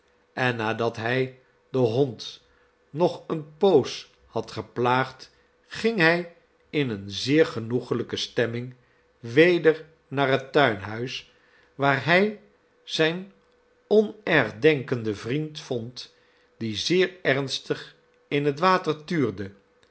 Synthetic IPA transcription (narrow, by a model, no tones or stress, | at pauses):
ʔɛnːaːdɑtɦɛj | dəɦɔnt | nɔχənpows | hɑtχəplaːχt | χɪŋɦɛj | ɪnənzɪːɹχənuχələkəstɛmɪŋ | ʋejdəɹ | naːɹɦətœɥnɦœɥs | ʋaːɹɦɛj | z̥ɛjn | ɔnɛɹχdɛŋkəndəvrintfɔnt | d̥izɪːɹɛɹnstəχ | ɪnɦətʋaːtəɹtyːɹdə